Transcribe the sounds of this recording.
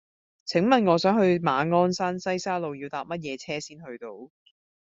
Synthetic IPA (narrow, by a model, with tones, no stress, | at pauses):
t͡sʰɪ˨˥ŋmɐ˨nŋɔː˨˧sœː˨˥ŋɦɵ˧ɥmaː˨˧ŋɔː˥nsaː˥nsɐ˥jsaː˥lo˨˧wjiː˧wt̪aː˨p̚mɐ˥t̚jɛː˨˧t͡sʰɛː˥siː˥nhɵ˧ɥt̪o˧w